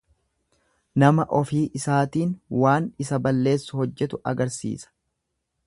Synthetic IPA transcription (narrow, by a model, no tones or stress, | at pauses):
nɐmɐʔɔfiːʔɪsaːt̪iːnwaːnɪsɐbɐlːe̞ːsːʊhɔd͡ʒːɛt̪ʊʔɐ̰ɡɐɾsḭːsɐ̥